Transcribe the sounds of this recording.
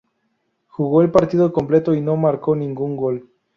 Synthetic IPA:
xuɣoelpaɾt̪iðokomple̞t̪oinomaɾkonĩŋɡuŋɡol

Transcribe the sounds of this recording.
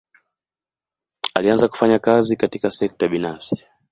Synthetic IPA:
alianzaku̥faɲakazikatikasɛk̚taɓinafsi̥

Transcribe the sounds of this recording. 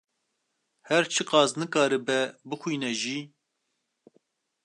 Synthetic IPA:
hɛɾt͡ʃʰɨqɑːznɨkɑːɾɨbɛbɨxʷiːnɛʒiː

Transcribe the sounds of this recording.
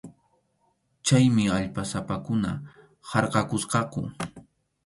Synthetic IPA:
t͡ʃajmɪaʎpasapakʊna̰ | hɑɾqɑkʊsqɑkʊ̰

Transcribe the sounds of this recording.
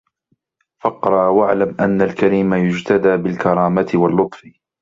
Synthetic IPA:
fɑqɾˤɑʔwaʕlamʔanːalkaɾiːmajʊd͡ʒt̪ad̪aːbɪlkɑɾˤɑːmat̪ɪwalːʊt̪ˤf

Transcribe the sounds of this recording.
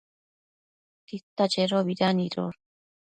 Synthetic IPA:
t̪it̪ːad͡ʒeɾoβiɾaniɾo̰ɾ

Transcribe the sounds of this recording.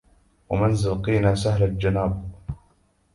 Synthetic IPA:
wamɪnzalqiːnaːsahlald͡ʒanaːb̚

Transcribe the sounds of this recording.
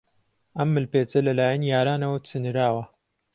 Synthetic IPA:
ʔɐmːɨlpeːt͡sɐlɐlaːjɐnjaːɾaːnɐwɐt͡sʰɨnɨɾaːwɐ

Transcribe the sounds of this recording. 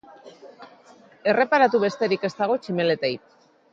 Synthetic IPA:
e̞re̞paɾat̪uβe̞st̪e̞ɾike̞st̪aɣ̞o̞t͡ʃime̞le̞t̪ejp̚

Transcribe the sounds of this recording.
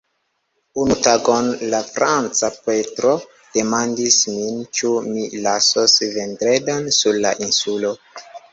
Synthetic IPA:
unutaɡonlafɾant͡sapetɾo̞ | d̥e̞mandismint͡ʃumilasosventɾedansuɾla̰ʔinsulo̞

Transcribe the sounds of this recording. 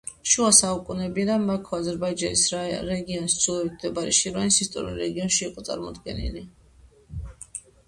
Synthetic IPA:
ʃuasaukʼunɛbid̪amakʰɔazɛɾbaid͡ʒanisɾɛɡiɔnist̪sʰulˠɔvik̪ʰd̪ɛbaɾḭʃiɾvanisist̪ʼɔ̰ɾḭlˠɾɛɡiɔnʃiːqʼɔt̪sʼa̰ɾmɔd̪ɡɛ̰nḭli

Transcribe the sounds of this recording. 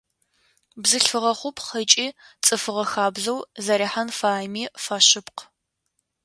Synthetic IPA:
bzɨɬfɨʁɐχʷʊpʰχɐt͡ʃʼiːt͡sʼɨfɨʁɐxaːbzɐwzɐɾiħanfaːjmiːfaɕɨpqʰ

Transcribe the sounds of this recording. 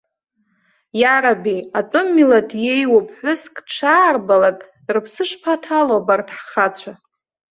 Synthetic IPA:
jaɾabiat͡pʼʊmːilatʰjejwapʰʼħʷᶣʊskʼʈ͡ʂʰaːrbalakʼ | rɨpʰsɨʂpʰatʰalobartʰʼħχat͡ɕʷʰa

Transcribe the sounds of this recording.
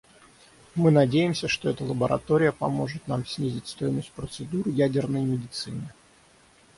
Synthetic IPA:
mɨnɐdʲejɪmsʲəʂt̪oɛt̪əlˠəbəɾʔɐ̰t̪o̞ɾʲɪjəpɐmo̞ʐɨt̪namsʲnʲizʲɪtʲst̪o̞jɪməsʲt̚ʲpɾət̪sɨd̪uɾjædʲɪrnəjmʲɪdʲɪt̪sɨnʲɪ

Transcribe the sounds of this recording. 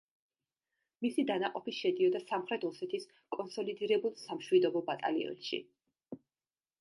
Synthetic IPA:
misid̪anaqʼɔpiʃɛd̪iɔd̪asamχɾɛt̪ʰɔsɛt̪ʰis | kʼɔnsɔlid̪iɾɛbulˠsamʃwid̪ɔbɔbat̪ʼa̰lḭɔ̰nʃḭ

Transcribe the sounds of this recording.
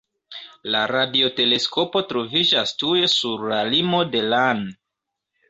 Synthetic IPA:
laɾadio̞te̞le̞sko̞po̞tɾo̞vid͡ʒastue̞suɾlalimo̞de̞lan

